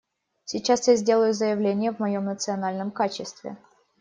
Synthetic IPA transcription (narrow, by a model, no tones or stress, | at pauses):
sʲɪt͡ɕasjazʲdʲe̞lˠəjʊzəjɪvlʲenʲɪjəvmɐjo̞mnət̪sɨɐnalʲnəmkat͡ɕɪst̪vʲɪ̰